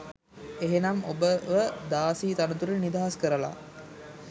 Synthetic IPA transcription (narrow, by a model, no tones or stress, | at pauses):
eɦenɐmo̰bəʋəd̪aːsiːt̪anət̪uɾənid̪aɦaskəɾəla̰